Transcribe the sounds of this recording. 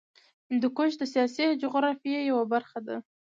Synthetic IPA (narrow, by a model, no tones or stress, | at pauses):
nd̪əkoʃd̪əsijɑsid͡ʒʊɣɾɑfijejawabaɾxad̪a